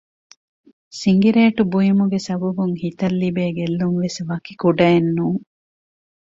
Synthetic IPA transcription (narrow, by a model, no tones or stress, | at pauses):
siŋɡiɾeːʈubujimuɡesɐbɐbuŋhit̪ɐlːibeːɡelːuŋʋesʋɐkikuɖɐenːuːŋ